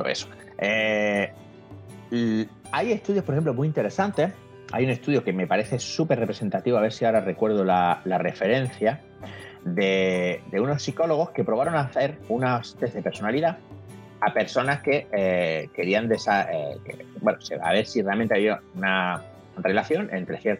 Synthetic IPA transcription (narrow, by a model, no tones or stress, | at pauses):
o̰ḛso̥ | e | aje̞st̪uðjopoɾexemplomuint̪e̞ɾe̞sant̪e̞ | a̰june̞st̪uðjo̞ke̞me̞paɾe̞θe̞supe̞repɾee̞nt̪at̪iβoaβe̞ɾsiaoɾare̞kwe̞ɾð̞olalare̞fe̞ɾẽ̞n̟θja | de̞d̪e̞uno̞sːiko̞lo̞ɣ̞o̞hke̞pɾo̞β̞aɾo̞naθe̞ɾunast̪eθðe̞pe̞ɾso̞naliða | ape̞ɾso̞naske̞ | ke̞ɾiand̪esaekḛbwenosea̰βe̞ɾsire̞alment̪eaβiouna | re̞laθjo̞ne̞̰nt̪ɾe̞θjeɾt̪